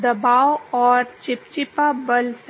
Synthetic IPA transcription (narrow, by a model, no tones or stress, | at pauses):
d̪ɐbaːwɔːɾt͡ʃɪp̚t͡ʃɪpabɐls